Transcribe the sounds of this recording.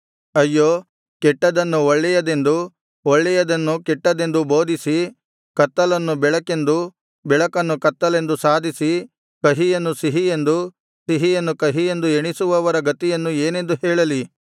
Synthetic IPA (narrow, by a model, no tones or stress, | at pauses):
ɐjːoː | kɛʈːɐd̪ɐnːuɔɭːɛjɐd̪e̞nd̪u | ɔɭːɛjɐd̪ɐnːukɛʈːɐd̪e̞nd̪ubo̞ːd̪ʱisi | kɐt̪ːɐlɐnːubɛɭɐke̞nd̪u | bɛɭɐkɐnːukɐt̪ːɐle̞nd̪usaːd̪ʱisi | kɐɦijɐnːusiɦijend̪u | siɦijɐnːukɐɦije̞nd̪ueɳisuʋɐʋɐɾɐɡɐt̪ijɐnːueːne̞nd̪uɦɛːɭɐli